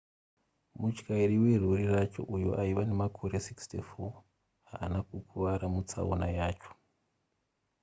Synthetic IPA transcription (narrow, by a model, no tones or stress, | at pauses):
mut͡ʃkaiɾiwe̞rurirat͡ʃo̞̰ʔujo̰ʔaiʋane̞makʰo̞ɾe̞sikstifo | a̰ːnakukʰuʋaɾamut͡sa̰o̰najaːt͡ʃo̥